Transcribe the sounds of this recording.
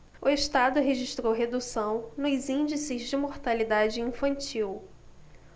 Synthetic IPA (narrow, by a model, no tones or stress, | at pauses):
ʊeʃt̪ad̪ʊɦeʒiʃt̪ɾowɦed̪usɐ̃w̃nʊzĩd͡ʒisɪzd͡ʒɪmoɾt̪alid̪ad͡ʒɪĩfɐ̃nt͡ʃiw